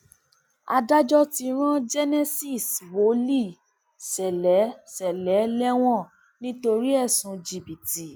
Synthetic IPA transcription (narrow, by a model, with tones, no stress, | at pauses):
a˧da˦d͡ʒɔ˦ti˧ɾ̃ã˦d͡ʒɛ˦nɛ˦si˦˨swo˨˦li˦˨ | sɛ˨lɛ˨˦sɛ˨lɛ˨˦lɛ˦w̃ɔ̃˦˨ | nĩ˦to˧ɾi˦ɛ˦˨sũ˨˧d͡ʒi˨bi˨ti˨